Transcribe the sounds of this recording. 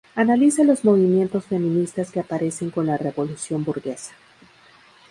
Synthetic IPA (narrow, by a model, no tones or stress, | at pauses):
analisalo̞zmo̞β̞imje̞nt̪o̞sfe̞mĩnist̪askeapaɾe̞se̞ŋko̞nlare̞βo̞lusjo̞mbuɾɣe̞sḁ